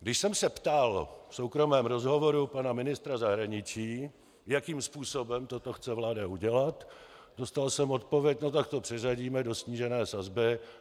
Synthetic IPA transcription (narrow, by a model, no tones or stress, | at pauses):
ɡdɪʃsɛmsɛpt̪alfsowkɾo̞mɛːmɾo̞zɦovo̞ɾupanamɪnɪst̪ɾazaɦɾaɲɪt͡ʃiː | jakiːmspuːso̞bɛmt̪o̞t̪o̞xt͡sɛvlaːdauɟɛlat̪ | do̞st̪alsɛmo̞t̪̚povjɛc̚no̞t̪ak̚t̪o̞pr̥ɪr̝aɟiːmɛdo̞sɲiːʒɛnɛːsazbɪ